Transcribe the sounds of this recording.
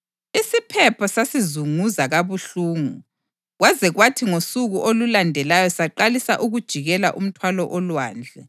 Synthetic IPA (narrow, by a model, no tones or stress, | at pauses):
isipʰɛpʰɔsasizuŋuzaɣaβuɬuːŋu | ɣwazɛɣwatʰiŋosuɣuʔolulandʱɛlajɔsaǃalisaʔuɣud̥ʒ̥ʱiɣɛla̰ʔum̩tʰwalɔʔɔlwaːnd͡ɮʱɛ